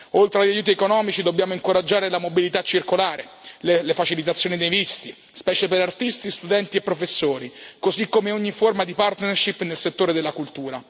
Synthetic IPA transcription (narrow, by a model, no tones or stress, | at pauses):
olt̪ɾeaʎːajuːt̪̬iekonɔːmit͡ʃid̪obːjaːmoiŋkoɾad͡ʒːaːɾelamobilit̪at͡ʃːirkolaːɾelelefat͡ʃilit̪at̪sːjoːnid̪ejvist̪i | spɛːt͡ʃepeɾart̪ist̪ist̪ud̪ɛnt̪iepːɾofesːoːɾikozikːomeoɲːiformad̪ipart̪nerʃipːnelset̪ːoːɾed̪elːakult̪uːɾa